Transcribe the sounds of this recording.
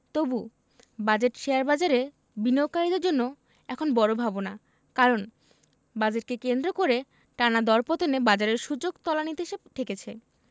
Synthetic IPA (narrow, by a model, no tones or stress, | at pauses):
t̪obu | bad͡ʑeʈʃeaɾbad͡ʑaɾe | binokaɾid̪eɾd͡ʑonːo | ɛkʰonbɔɾobʱabona | kaɾon | bad͡ʑeʈ̚kekend̪ɾokoɾe | ʈanad̪ɔɾpot̪onebad͡ʑaɾeɾʃud͡ʑoɡt̪ɔlanit̪eʃebt̪ʰeket͡ɕʰe